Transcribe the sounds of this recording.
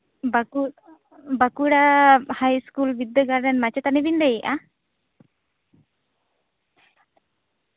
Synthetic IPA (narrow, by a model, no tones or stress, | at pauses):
baku | bakuɽahajskulbid̪ːəɡaɾɖənmat͡ʃɛt̪anɛbindɛjiʔa